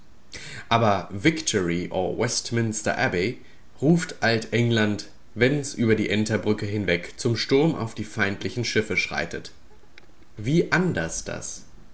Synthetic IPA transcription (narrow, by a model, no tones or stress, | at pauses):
ʔaːbɐvɪktʰɔʁiʔo̰wɛstmɪnstɐ̰ʔɛbi | ʁuːftʔaltʔɛŋlant | vɛnɛsʔyːbɐdiːʔɛntɐbʁʏkəɦɪnvɛkt͡sʊmʃtʊɐmʔa̰ʊfd̥iːfaɪntʰlɪçn̩ʃɪfəʃʁ̥a̰ɪtət | viːʔandɐsd̥a̰s